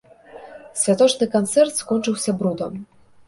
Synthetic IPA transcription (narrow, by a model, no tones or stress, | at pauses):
sʲvʲjat̪ɔt͡ʂnɨkant̪sɛɾt̪skɔnʲt͡ʂɨwsʲabɾud̪ɔm